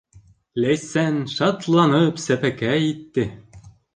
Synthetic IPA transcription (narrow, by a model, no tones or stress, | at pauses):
læjsænʃɑt̪lˠɑnɤpsæpækæit̪ːɘ